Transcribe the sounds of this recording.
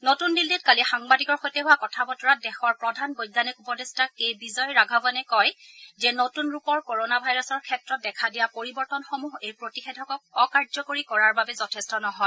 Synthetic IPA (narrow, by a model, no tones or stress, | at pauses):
notundilːitkalixaŋbadikɔɹxojtɛɦʊwakɔtʰabɔtɔɹadɛxɔɹpɹɔdʱanbojdanikupɔdɛstakejbizɔjɹaɡʱabɔnɛkɔjzɛnotunɹupɔɹkoɹonabʱajɹɔsɔɹkʰɛtɹɔt̚dɛkʰadijapoɹibɔɹtɔnxomuɦejpɹotixedʱɔkɔk̚ɔkaɹzɔkoɹikɔɹaɹbabɛzɔtʰestɔnɔɦɔj